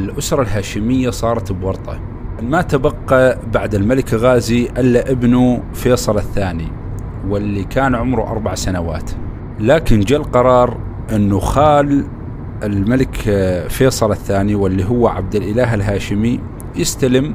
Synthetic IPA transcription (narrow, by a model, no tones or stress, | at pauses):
ʔɪlʔʊsɾˤɑlɦaːʃɪmɪjːasˤɑːɾˤɑt̪bwɑɾˤt̪ˤɑ̰ | mat̪abɑqːɑbaʕd̪ɪlmalɪkɣaːziʔɪlːaʔɪbnu | feːsˤɑlɪθːaːni | wɪlːikʰaːnʕʊmɾuʔɑ̰ɾˤbaʕsanawa̰ːt̪ | laːkɪnd͡ʒalqɑɾˤɑːɾˤ | ʔɪnːuxaːl | ʔɪlmalɪkfeːsˤɑlɪθːaːniwɪlːiɦʊwːaʕa̰b̚d̪ɪlʔɪlaːɦɪlɦaːʃɪmi | jɪst̪alɪm